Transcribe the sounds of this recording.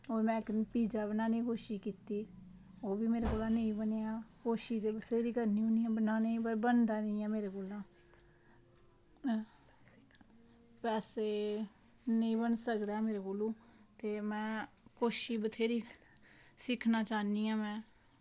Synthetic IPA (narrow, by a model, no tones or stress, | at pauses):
oːɾmɛ̃ːkːpiːd͡ʒaːbənaːnĩːkoːʃiːkiːt̪iː | oːbiːmeːɾeːkoːlãːnəĩːbəneːãːkoːʃiːd̪eːbət̪ʰeːɾiːkəɾniũːniãːbənãːnəĩbəɾbənd̪aːnĩːɛːmeːɾeːkoːlãː | pɛːseː | nəĩːbənsəkd̪aːɛmeːɾeːkoːlũːt̪eːmɛ̃ːkoːʃiːbət̪ʰeːɾiː | sɪkʰnaːt͡ʃaːniːãːmɛ̃ː